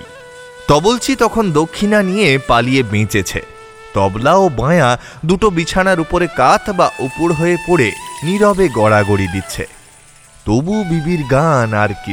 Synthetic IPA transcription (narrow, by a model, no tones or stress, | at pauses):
t̪ɔbolt͡ɕʰit̪ɔkʰond̪okʰːinanijepaliebẽt͡ɕet͡ɕʰḛ | t̪ɔblaobãea | d̪uʈobit͡ɕʰanaɾupoɾekat̪ʰbaʔupuɽɦoepoɽeniɾɔbeɡɔɽaɡoɽid̪itːɕʰḛ | t̪obubibiɾɡanaɾki